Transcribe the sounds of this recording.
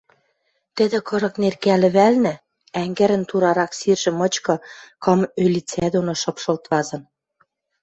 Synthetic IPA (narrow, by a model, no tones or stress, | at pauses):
t̪ɘ̆d̪ĕkɤ̆ɾɤ̆knerkælɘ̆βælnɘ̆ | æŋɡɘ̆ɾə̆nt̪uɾɑɾɑksirʒɘ̆mɤ̆t͡ɕkɤ̆kɤ̆mølʲit͡sæd̪onoʃɤ̆pʃɤ̆lt̪βɑzɤ̆n